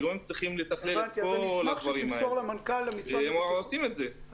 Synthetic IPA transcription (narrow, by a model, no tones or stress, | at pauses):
loemt͡sʁiχimlet̪aχlelnkolad̪vaʁimaoʁlemankalːemiseemosimet̪ze